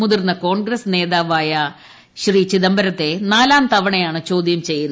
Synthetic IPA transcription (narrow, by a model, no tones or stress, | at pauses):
uðirnːɐko̞ːɳɡɾɐsne̞ːðaːʋaːjɐ | ɕriːt͡ɕiðɐmbɐɾɐt̪ːe̞naːlaːnt̪ɐʋɐɳɐjaːɳɨt͡ɕo̞ːd̪jɐmt͡ɕe̞jːunː